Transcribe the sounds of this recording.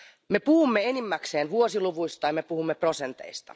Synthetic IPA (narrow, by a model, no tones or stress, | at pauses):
me̞puhumːeenimːækseːnʋuosiluʋujst̪ɑjɑmepuhumːepro̞se̞nt̪e̞̰jst̪ɑ̰